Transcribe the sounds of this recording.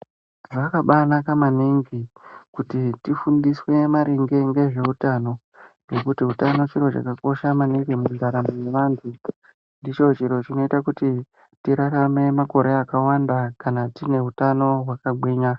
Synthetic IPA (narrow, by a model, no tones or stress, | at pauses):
ʐakaɓanakamaniŋɡikutitifundiswe̞maɾiŋɡe̞ŋɡe̞ʐe̞utaːno̞ | ŋɡe̞kutiɦutano̞t͡ʃiɾo̞t͡ʃa̰kako̞ʃamaniŋɡimunzaɾamone̞ʋaːntʰu | ndit͡ʃo̞t͡ʃiɾo̞t͡ʃino̞itakuti | tiɾarame̞mako̞ɾe̞akawandakanatine̞ɦutano̞ɦwakaɡweːɲa